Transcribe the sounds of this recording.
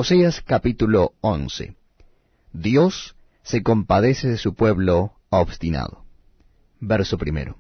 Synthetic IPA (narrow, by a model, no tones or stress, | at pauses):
oseaskapit̪uloonsḛ | ðjosː | eko̞mpaðeseðesupweβlo | oβst̪ina̰ðo | beɾsopɾimḛɾo